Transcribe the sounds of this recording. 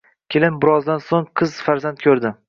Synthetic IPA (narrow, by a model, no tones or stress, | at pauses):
kʲʰelɪnbɪɾɒzd̪ansoŋqʰɨz̥faɾzant̪̚kʲʰɵɾd̪ɪ